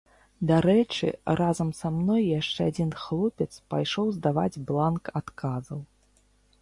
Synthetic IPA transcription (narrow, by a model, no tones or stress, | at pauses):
d̪aɾɛt͡ʂɨ̰ɾʔazɐmsamnɔjːaʂt͡ʂɛad͡zʲinxlˠɔpʲɛt̪spajʂɔwzd̪ava̰d͡zʲblˠankat̪kazɐw